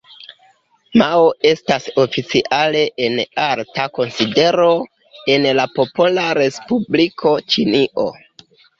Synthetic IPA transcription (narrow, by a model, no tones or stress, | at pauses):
maoe̞staso̞fit͡siʔale̞ʔenaɾtako̞nside̞ɾo̞ | e̞nlapo̞polaɾe̞spublikʰo̞t͡ʃiniʔo̰